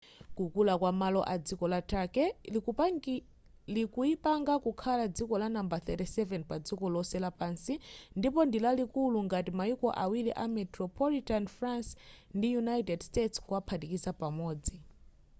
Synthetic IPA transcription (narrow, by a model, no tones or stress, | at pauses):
kukulakwamalɔʔad͡zikɔlatʰakɛ | likuipaŋɡakukʰalad͡zikɔlanambaθɛtɛsɛvɛnpad͡zikɔlɔsɛlapansindipɔndilalikuluŋɡatimaikɔ̰ʔawiliʔamɛtɾɔpʰɔlitanfɾansndijunaitɛdstetskuapʰatikisapamɔːd͡zi